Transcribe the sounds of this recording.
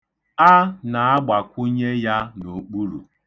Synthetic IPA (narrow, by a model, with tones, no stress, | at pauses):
a˦na˨a˦ɡ͡ba˨kʷʊ˦ɲe˦ja˦no˨˦k͡pu˦ɾṵ˨